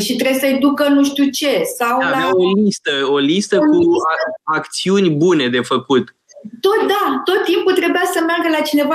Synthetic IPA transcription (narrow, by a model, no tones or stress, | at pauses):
ʃit̪ɾebsəed̪ukənuʃt̪ut͡ʃe̞sawavlaaolist̪əo̞list̪əkuaakt̪siunʲbune̞d̪e̞fəkut̪ | t̪o̞t̪d̪at̪o̞t̪ːimput̪ɾebujasəmearɡəlat͡ʃine̞va